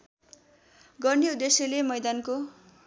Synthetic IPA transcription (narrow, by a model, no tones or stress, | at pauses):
ɡʌrniud̪ːesjʌlemʌjd̪anko